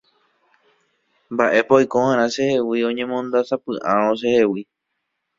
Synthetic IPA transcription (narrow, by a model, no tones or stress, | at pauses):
mbaʔe̞pojkohãɾ̃ãʃe̞he̞wiõ̞ɲẽ̞mõ̞nd̪asapɨʔãɾ̃õʃ̬e̞he̞wi